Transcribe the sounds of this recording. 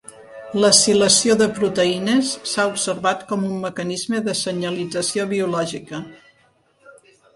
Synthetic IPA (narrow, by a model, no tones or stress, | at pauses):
ləsiləsioðəpɾut̪əinəsːaubsəɾβat̪kɔmumːəkənizməðəsəɲəlid͡zəsioβ̞iulɔʒikə